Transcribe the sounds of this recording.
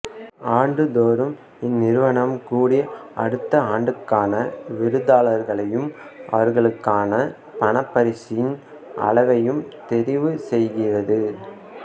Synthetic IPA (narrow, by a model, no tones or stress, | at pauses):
aːɳɖɯd̪oːɾɯm | ɪnːɪɾɯʋɐɳɐmkuːɽɪjɐʔɐɽɯt̪ːɐaːɳɖɯkːaːnɐʋɪɾɯðaːlɐɾɣɐɭɐjɯmʔɐ̰ʋɐɾɣɐɭɯkːaːnɐ | pɐɳɐpːɐɾɪsɪjɪn | ʔɐ̰ɭɐʋɐjɯmt̪ɛɾɪʋɯsɛjɣɪrɐðɯ